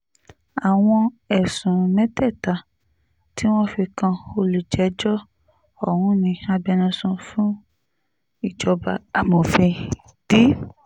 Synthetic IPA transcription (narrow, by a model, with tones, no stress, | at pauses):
a˨w̃ɔ̃˧ɛ˨sũ˨mɛ̃˦tɛ˦˨ta˧˨ | ti˦w̃ɔ̃˦fi˧kã˧o˧lu˨d͡ʒɛ˨˦d͡ʒɔ˦ | ɔ˦˨hũ˧˦nĩ˧a˧bɛ˧nã˧sũ˧fũ˦ | i˦˨d͡ʒɔ˧ba˧a˨mõ˨fɛ̃˧ | d̥i˦